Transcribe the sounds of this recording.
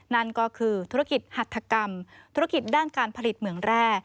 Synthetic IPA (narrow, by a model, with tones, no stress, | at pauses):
na˥˩nkɔː˥˩kʰɯː˧t̪ʰu˦˥a˥˩ki˨˩t̪̚ha˨˩t̪ʰːa˧ka˧mt̪ʰu˦˥ɾa˥ki˨˩t̪̚daː˥˩nkaː˧npʰa˧li˨˩t̪̚mɯ˩˦əŋɾɛː˥˩